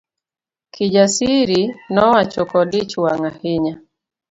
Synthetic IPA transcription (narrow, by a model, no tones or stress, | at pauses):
kid͡ʒasiɾinɔwat͡ʃɔkɔdit͡ʃuwaŋahiɲa